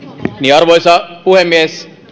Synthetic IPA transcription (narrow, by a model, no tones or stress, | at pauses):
niɑrʋojsɑpuhemːies